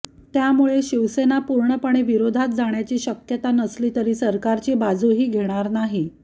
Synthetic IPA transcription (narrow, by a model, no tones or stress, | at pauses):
t̪jamuɭeɕiʋsenapuɾɳəpəɳ̃eʋiɾod̪ʱat̪̚d͡zaɳjat͡ɕiːɕəkjət̪anəsliːt̪əɾiːsəɾkaɾt͡ɕiːbad͡zuɦiːɡʱeɽ̃aɾnaɦi